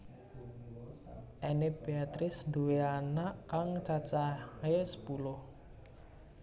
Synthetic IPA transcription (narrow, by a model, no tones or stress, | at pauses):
ʔeneb̥eat̪ɾɪsnd̪uweanaʔkaŋt͡ʃat͡ʃahesə̥pulʊh